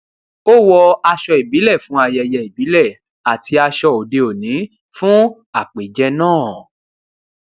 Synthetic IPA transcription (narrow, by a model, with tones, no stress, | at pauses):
o˦wɔ˧a˧ʃɔ˧i˨bi˨˦lɛ˦˨fũ˨˦a˧jɛ˧jɛ˧i˨bi˨˦lɛ˦˨ | a˨tʰi˧a˧ʃɔ˧˨o˨de˧o˨nĩ˨˦ | fũ˦ | a˦˨k͡pe˨˦d͡ʒɛ˧nãː˦˨